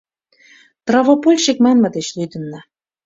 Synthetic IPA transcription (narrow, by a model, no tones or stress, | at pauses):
t̪rɑvopolʲʃek̚mɑnmɤ̆d̪et͡ɕlyd̪ə̆nːɑ